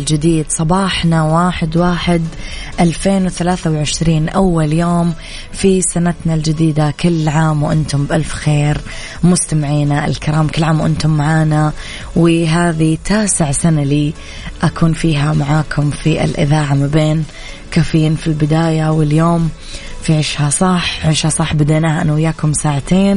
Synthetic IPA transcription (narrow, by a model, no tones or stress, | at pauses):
ld͡ʒɪd̪iːd̪sˤɑbɑːħnawaːħɪd̪waːħɪd̪ | ʔalfeːnwɪθalaːθawʕɪʃɾiːnʔawːaljoːm | fisanat̪nald͡ʒɪd̪iːd̪akɪlːʕaːmwʔɪnt̪ʊmbʔalfxeːɾ | mʊst̪amɪʕiːnaʔɪ̰lkɪɾaːmkɪlːʕaːmwʔɪnt̪ʊmːaʕaːna | wɪɦaːðit̪ʰaːsɪʕsanaliː | ʔakʰuːnfiːɦamaʕaːkʰʊmfiʔɪ̰lʔɪ̰ðaːʕamabeːn | kaːfiːnfilbɪd̪aːjawɪljoːm | fiʕɪʃhasˤɑħʕɪʃhasˤɑħːbɪd̪aʔnaːhaʔanwɪjːaːkʊmsaːʕat̪eːn